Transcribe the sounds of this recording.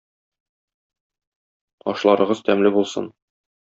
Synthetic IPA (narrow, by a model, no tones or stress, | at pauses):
ɒ̰ʃlˠɑɾɤ̆ʁɤzt̪æmlɘbulˠsɤ̰n